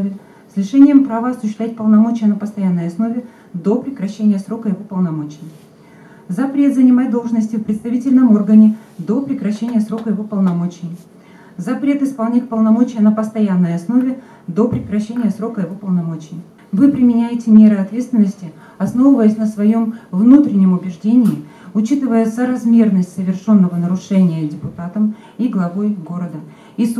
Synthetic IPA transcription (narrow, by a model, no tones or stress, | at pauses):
vʲɪ | sʲlʲɪʂɛnʲɪjəmpɾavəɐsʊɕɪsvʲæt̚ʲpəlˠnɐmo̞t͡ɕɪjənəpəst̪ɐjanːəjɐsno̞vʲɪ | d̪o̞pɾʲɪkɾɐɕːenʲɪjəsɾo̞kəjɪvo̞pəlˠnɐmo̞t͡ɕɪj | zɐpɾʲe̞t̪zənʲɪmat̚ʲd̪o̞lˠʐnəsʲtʲɪfpɾʲɪt̪st̪ɐvʲitʲɪlʲnəmo̞rɡənʲɪd̪o̞pɾʲɪkɾɐɕːenʲɪjəsɾo̞kəjɪvo̞pəlˠnɐmo̞t͡ɕɪj | zɐpɾʲe̞t̪ɨspɐlˠnʲitʲkpəlˠnɐmo̞t͡ɕɪjənəpəst̪ɐjanːəjɐsno̞vʲɪ | d̪o̞pɾʲɪkɾɐɕːenʲɪjəsɾo̞kəjɪvo̞pəlˠnɐmo̞t͡ɕɪj | vɨpɾʲɪmʲɪnʲæjɪtʲɪmʲe̞ɾɨɐt̪vʲe̞t̪st̪vʲɪnːəsʲtʲɪ | ɐsno̞vɨvəjəsʲnəsvɐjo̞mvnut̪ɾʲɪnʲːɪmʊbʲɪʐdʲenʲɪɪ | ʊt͡ɕit̪ɨvəjəsəɾɐzmʲe̞rnəsʲtʲsəvʲɪrʂo̞nːəvənəɾʊʂɛnʲɪjədʲɪpʊt̪at̪əm | iɡlˠɐvo̞jɡo̞ɾəd̪ə | is